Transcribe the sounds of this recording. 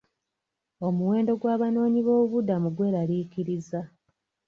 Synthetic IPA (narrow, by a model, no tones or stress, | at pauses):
o̞muwe̞ːndo̞ɡwaːβano̞ːɲiβo̞ːβuβudamuɡwe̞ːɾaliciɾiza